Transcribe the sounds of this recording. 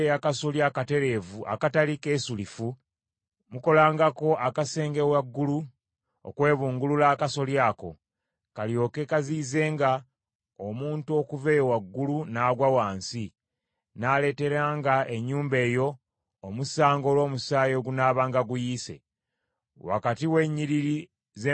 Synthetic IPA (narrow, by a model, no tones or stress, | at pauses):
akasoljakate̞ɾe̞ːvuʔa̰katalike̞ːsulifu | muko̞laːŋɡako̞akase̞ːŋɡewaɡːulu | o̰kwe̞ːβuːŋɡululaːkaso̞ljaːko̞̰ | kaljo̞ːke̞kaziːze̞ːŋɡa | omuːntuo̞kuve̞ːjowaɡːulunaːɡwawaːnsi | naːle̞ːte̞ɾaːŋɡae̞ɲːuːmbe̞ːjo̞ː | musaːŋɡo̞lwo̞ːmusaːjo̞ɡunaːβaːŋɡaɡujiːse̞̰ | wa̰katiwe̞ɲːiɾiɾi | ze